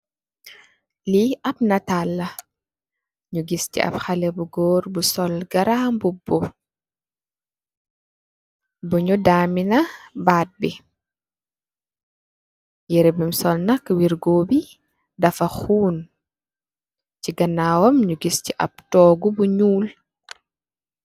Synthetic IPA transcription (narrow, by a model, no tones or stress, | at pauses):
liʔɐp̚nɐtalːɐ | ɲuɡistḭʔɐ̰bxɐlɛbuɡɔːɾbusɔlɡɐɾaːmbubɔ | bɔɲudaːminɐbaːt̚bi | jɛɾɛbimsɔlnɐkwiɾɡoːbi | dɐfɐxuːn | ciɡɐnaːwɔmɲuɡistiʔɐ̰b̚tɔːɡubuɲuːl